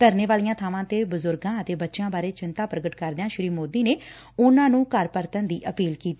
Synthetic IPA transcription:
t̪əɾneːʋaːlijãːt̪ʰaːʋãːt̪eːbəzʊɾɡãːət̪eːbətːʃãːbaːɾeːt͡ʃɪnt̪aːpɾəɡəʈkəɾd̪eːãːʃɪɾiːmoːd̪iːneː | ʊnãːnũːkəɾpəɾt̪ənd̪iːʔəpiːlkiːt̪i

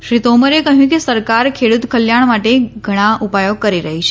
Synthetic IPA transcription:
ʃɾit̪oməɾekəɦjũkesəɾkaɾkʰeɽut̪kʰəljaɳ̃maʈeɡʱəɽ̃aʔupajoɡ̚kəɾiɾəɦit͡ʃʰe

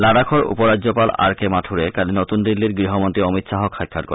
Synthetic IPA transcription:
laɽakʰoɾṵpoɾadːʑopala̰ɾkemaʈʰuɾekalinot̪und̪ilːiɾɡɾiɦomont̪ɾiɔmit̪ʃaɦokʰajkʰːaɾko̰

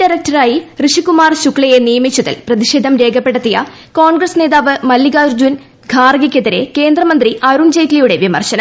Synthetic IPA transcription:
ɖɐɾɐk̚tɐɾaːjirɨʂikumaːrɕukɭɐje̞nijɐmit͡ɕːuðɐ̰lprɐðiʂeːd̪ʱɐmɾe̞ːɡʰʱɐpːe̞ɽɐt̪ːijɐ̰ | ko̞ːɳɡɾɐsne̞ːðaːʋɨmɐlːiɡaːɾd͡ʑun | ɡʱaːrɡɐkʲːeðɐɾe̞ke̞ːnd̪rɐmɐnd̪riɐɾund͡ʑejtlijuɽe̞ʋimɐ̰rɕɐnɐm

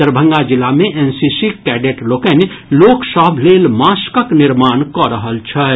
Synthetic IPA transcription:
əɾbʱə̃ŋɡad͡ʒɪlːamẽʔensisikɛːɖeʈlokən | loːksəɦbʱleːlmaːskəknɪɾmaːnkɔɾəɦəlt͡ʃʰɛ

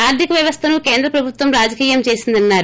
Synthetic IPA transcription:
aːɾd̪ikɐʋjɐʋɐst̪ʰɐnukeːnd̪ɾɐpɾɐbʱut̪ʋɐmɾaːd͡ʒɐkiːjɐmt͡ʃe̞ːsind̪ɐnːaːɾu

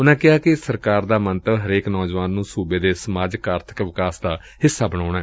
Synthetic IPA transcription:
ʊnãːkɪɦaːkɪsəɾkaːɾd̪aːmənt̪əɦəɾeːknɔːd͡ʒʋaːnːũːsuːbeːd̪eːsəmaːd͡ʒəkaːɾt̪ʰə̥kʋɪkaːsd̪aː | hɪsːaːbəɽ̃aːɳ̃aɛː

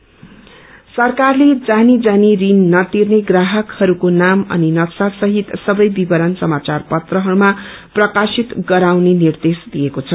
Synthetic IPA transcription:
sʌrkarled͡zanid͡zanirinːʌt̪irneɡraɦʌkhʌɾukonamʌ̰ninʌksaksʌɦit̪sʌbʌjbibʌɾʌnsʌmat͡sarpʌt̪rʌɦʌɾumaprʌkasit̪ɡʌɾawnenird̪esd̪ijekot͡sʰʌ

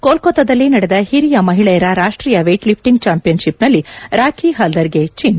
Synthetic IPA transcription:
koːlkot̪ɐd̪ɐlːinɐɽed̪ɐhiɾijɐmɐɦiɭɛjɐɾɐɾaːʂʈɾiːjɐʋeːʈlip̚ʰʈiŋɡ̚t͡ʃaːmpijɐnʃipnɐlːiɾaːkʰiɦɐld̪ɐɾɡet͡ʃin

